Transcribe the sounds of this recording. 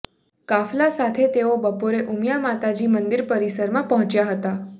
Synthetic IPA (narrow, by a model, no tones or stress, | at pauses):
kaflasat̪ʰet̪eobəpoɾeʔumjamat̪ad͡ʒimənd̪iɾpəɾisəɾmãpəɦɔ̃t͡ʃjaɦət̪a